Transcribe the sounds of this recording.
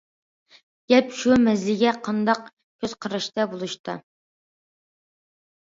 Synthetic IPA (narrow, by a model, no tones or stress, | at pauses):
ɡʲɛpʃumɛzlɪɡʲɛqʰɑnd̪ɑq | kʲʰøz̥qʰəɾɨʃt̪ɑbolˠuʃt̪ʰɨ̰